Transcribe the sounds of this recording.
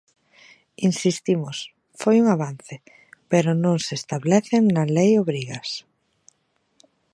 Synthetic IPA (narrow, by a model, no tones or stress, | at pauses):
insist̪imos | fojuŋaβan̟θɪ | peɾʊnõŋsest̪aβlɛθeŋnalejoβɾiɣɐs